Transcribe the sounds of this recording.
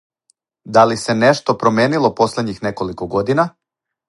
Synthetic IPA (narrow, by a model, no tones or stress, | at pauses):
d̪alise̞neʃt̪o̞pɾo̞mʲje̞ːnilˠo̞po̞slʲed̪ɲixneko̞likoɡo̞d̪ina